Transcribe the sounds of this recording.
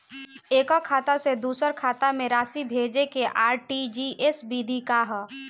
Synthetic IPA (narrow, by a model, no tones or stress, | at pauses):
eːkɔkʰaːt̪ased̪uːsəɾkʰaːt̪amẽɾaːsibʱeːd͡ʒekeʔaːɾʈid͡ʒiʔesbid̪ʱikaɦ